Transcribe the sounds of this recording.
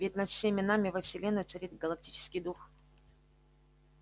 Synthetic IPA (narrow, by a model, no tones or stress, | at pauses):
vʲitʲnɐt̪fsʲemʲɪnamʲɪvəfsʲɪlʲenət͡ʂɨɾʲit̪ɡəlˠɐk̚tʲi̥t͡ɕɪ̥skʲɪjd̪ux